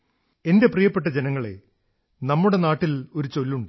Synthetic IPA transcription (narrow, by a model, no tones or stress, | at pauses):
e̞nde̞prijɐpːe̞ʈːɐd͡ʑenɐŋːɐɭe̞̰ | nɐmːuɽe̞naːʈːilo̞ɾut͡ɕo̞lːuɳɖɨ